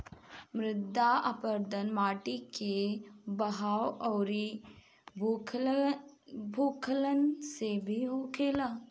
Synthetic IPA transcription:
mɾɪd̪ʱːaapəɾd̪ənmaːʈikebɐɦaːwɔːɾi | bʱuːkʰələnsebʱiɦoːkʰeːlaː

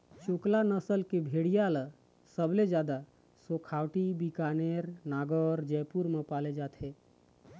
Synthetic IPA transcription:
t͡ʃoklanəsəlkebʱeɽijala | səbled͡ʒjad̪a | sokʰawʈibikaneɾnaːɡəɾd͡ʒəjpuɾmepaled͡ʒaːt̪ɦe

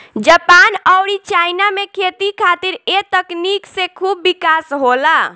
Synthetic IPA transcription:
d͡ʒəpanəwɽɾit͡ʃainamekʰet̪ikʰat̪iɾet̪əkniksẽkʰubːikasɦola

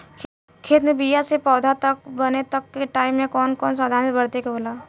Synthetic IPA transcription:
kʰeːt̪mebijasepɔːd̪ʱat̪ɐk̚bɐnet̪ɐkːeʈaːɪmːẽkɔːnkɔːnsaːd̪ʱaːnbəɽt̪ekeboːlaː

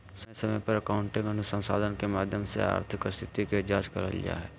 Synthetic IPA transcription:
ssɐməpɐɾɐkaːʊɳʈɪ̃ŋɡənʊsə̃nsaːd̪ʱənkemaːd̪ʱjəmsḛa̰ːɾt̪ʰɪkəst̪ʰɪt̪iked͡ʒaːd͡ʒkɐɾə̰lḭja̰ɦɛː

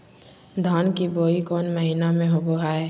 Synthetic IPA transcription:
d̪ʱaːnkiboːikɔːnməɦɪnamẽɦoboɦaːeː

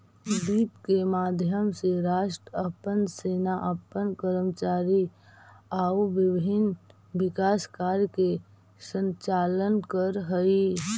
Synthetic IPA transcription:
biːp̪kemaːd̪ʱjəmseɾaːʃʈɾəpənseːnaʔəpːənkəɾəmt͡ʃaːɾi | aːuʋɪbʱɪn | ʋɪkaːskaːɾjke | sə̃nt͡ʃaːlənkəɾɦəi

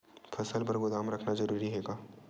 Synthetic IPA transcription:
fʰɐsəlpɐɾɡʊd̪aːmɾɐkʰnazɐɾuːɾiɦɛːɡaː

